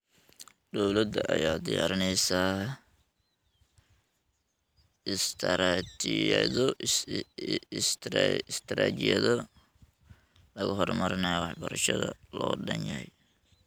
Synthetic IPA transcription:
d̪ɔwlɐd̪ɐʔɐjaːd̪ɪjaːɾɪnɛjsaː | ɪst̪ʰɐɾat͡ʃɪðɔ | ɪst̪ʰːɪst̪ʰɐɾaːt͡ʃɪjɐðɔ | lɐɣɐɦɔrmɐɾɪnɐjɔwɑħbɐɾɐʃɐðɐlɔːdɐnjɐhɛj

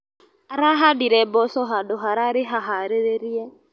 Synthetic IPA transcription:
aɾaɦadiɾɛbɔsɔɦadɔɦaɾaɾɪɦaɦaɾeɾeɾiɛ

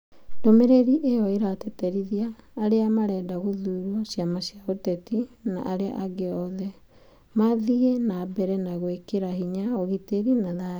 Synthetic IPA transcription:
ndomeɾeɾiʔejɔeɾatɛtɛɾiðiaːɾeamaɾɛdaɣoðuːɾwɔsjamaɕjaotɛtina̰ʔaɾea̰ʔaɡeɔðɛ | maðiɣenaːbɛɾɛnaɣwekeɾahiɲaoɣiteɾinaða

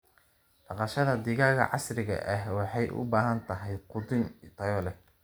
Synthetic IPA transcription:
ɖ̥ɑqɑʃɐðɐd̪ɪɣaːɣɐ̰ʕɑsrɪɣɐ̰ʔɐɦwɑħɑjʔʊ̰baːɦɐnt̪ʰɐɦɛj̪qʊd̪ɪnt̪ʰɐjɔːlɛ

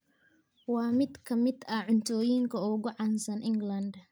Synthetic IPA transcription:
wɑːmɪd̪kʰɐmɪd̪ɐʕʊnt̪ʰɔːjiŋkʰɐʊɣʊʕɑnsɐnʔɪŋɡlɐnd̪

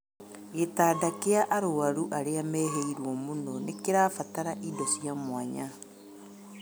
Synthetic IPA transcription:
ɣetaːdakeaʔaɾoaɾuʔaɾeamɛɦeiɾwɔmunɔnekeɾafataɾaʔidɔsiamwaɲa

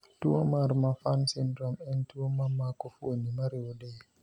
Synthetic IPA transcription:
tuwomaɾmafansindɾɔmɛntuwomamakofonimaɾewdɛ

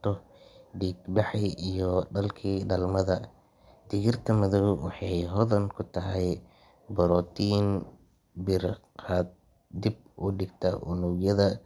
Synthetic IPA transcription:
t̪ʰɔ | ɖiːɡbɑħiʔijɔɖɐlkʰiːɖɐlmɐðɐ | d̪̥ɪɣɪrt̪ʰɐmɐðɔwwɑħɑjɦɔðɐŋkʰʊt̪ʰɐɦɛj | bɔɾɔt̪ʰiːn | bɪr | qaːd̪̚ | d̪ib̚ | ʔʊɖɪɡt̪ʰɐ̰ʔʊ̰nʊɡjɐðɐ

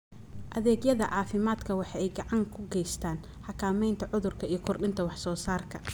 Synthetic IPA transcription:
ʔɐðɛːɡjɐðɐʕɑːfɪmaːd̪kʰɐwɑħɑɛjɡɑʕɑŋkʰʊɡɛjst̪ʰaːn | ħɑkʰaːmɛjnt̪ʰɐʕʊðʊrkʰɐijɞkʰɔrɗɪnt̪ʰɐwɑħsɔːsaːrkʰɐ̥

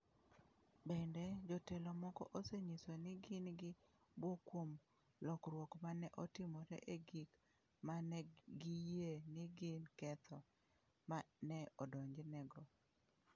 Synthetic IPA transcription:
bɛndɛd͡ʒɔtɛlomɔkɔ̰ʔoseɲisonɪɡɪnɡɪbwokwom | lɔkɾwokmanɛʔɔtɪmɔɾɛ̰ʔeɡik | manɛɡijenɪɡɪnkɛt̪ʰɔ | manɛɔdɔɲd͡ʒnɛɡɔ

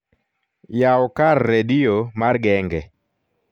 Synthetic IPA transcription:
jaɔkarːediomarɡɛŋɡɛ

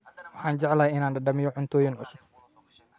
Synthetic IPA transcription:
wɑħɑːnd͡ʒɛʕlɐɛjɪnaːnɖɐɖɐmɪjɔʕʊnt̪ʰɔːjɪnʕʊ̰sʊb̚

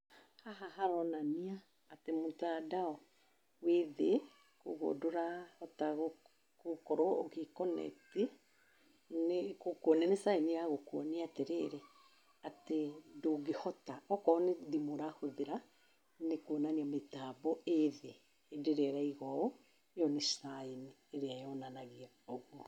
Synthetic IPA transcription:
haɦaɦaɾɔnaniaː | temotadaɔ | weðe | koɣo̰doɾahɔtaɣo | kokɔɾɔoɣekɔnɛ̰te | nekokɔnɛnesaeneaɣokwɔniateɾeɾɛ | atedoɡehɔtaɔkɔneðimoɾahoðeɾa | nekonaniɔmetabɔeðeː | deɾɛɾaiɣɔɔ | nejɔnesaeni | eɾeajɔnanaɣia | ɔɣwɔ

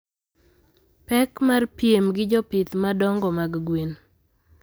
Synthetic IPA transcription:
pɛkmarpiemɡɪd͡ʒɔpɪt̪madɔŋɡɔmaɡɡwin

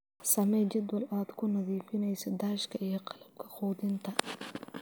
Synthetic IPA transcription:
sɐmɛd͡ʒɐd̪wɐlaːd̪kʰʊnɐðiːfɪnɛjsɐd̪aːʃkʰɐijɔqɑ̥lɐb̚kʰɐ̥qɔːd̪ɪnt̪ʰɐ

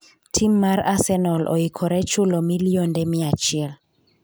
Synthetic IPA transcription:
tʰimːaɾasɛnɔlʔo̰ikʰɔɾɛt͡ʃulɔmiliondɛmiat͡ʃɛl

